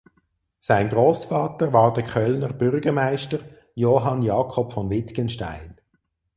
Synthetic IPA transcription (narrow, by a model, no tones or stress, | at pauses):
saɪnɡʁoːsfɑːtəɾvɑːʁdəkʰœlnəʁb̥ʏrɡəʁmaɪʃtəʁ | joːɦɑnjɑːkʰɔpfɔnvɪt̪kənʃta̰ɪn